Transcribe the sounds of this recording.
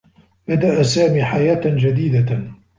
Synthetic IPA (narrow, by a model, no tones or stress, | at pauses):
bad̪aʔasaːmiːħajaːʔd͡ʒad̪iːd̪a